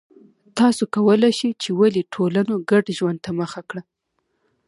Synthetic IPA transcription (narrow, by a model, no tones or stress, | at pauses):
t̪ɑsokawəlajʃit͡ʃewaliʈʰolanoɡaɖʒwand̪̚t̪aməxakɽa